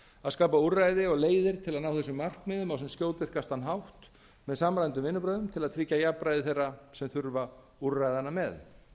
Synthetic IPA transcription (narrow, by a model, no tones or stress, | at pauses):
aðskaːpauɾajðɪɔɣleːjðɪɾ̥t̪ʰɪlaðnaːwθɛs̬ʏmːar̥knɪːðʏmawsɛmskcjoːwt̪vɪr̥kast̪anɦawht̪ | mɛðsamɾajnt̪̬ʏmvɪnːʏp̬ɾœːðʏmt̪ʰɪlaðt̪ʰɾiːcajapɾajðɪθejrːasɛmθʏɾva | urːajðanːamɛð